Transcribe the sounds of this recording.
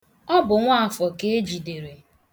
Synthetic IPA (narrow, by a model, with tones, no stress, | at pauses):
ɔ˦bʊ˨ŋʷa˦a˨fɔ˨ke˦e˦d͡ʒi˨de˨ɾe˨